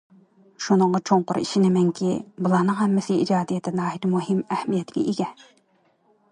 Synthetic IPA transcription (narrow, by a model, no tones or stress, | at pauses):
ʃunɨŋʁɑt͡ʃʰoŋqʊɾḭʃinɪmɛŋkʲʰibulˠɑhnɨŋhɛmːɪsɪid͡ʒɑːd̪ijɛt̪ʰɪnɑːɦiɾmuɦɪmæhmijɛt̪ʰɪɡʲɛ̰ʔiɡʲɛ